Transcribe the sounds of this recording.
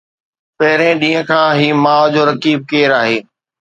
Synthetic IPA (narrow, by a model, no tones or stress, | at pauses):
pɐɦɪɾẽɗĩːə̃kʰãːɦiːmãːd͡ʑoːɾɐkiːb̚keːɾaːɦeː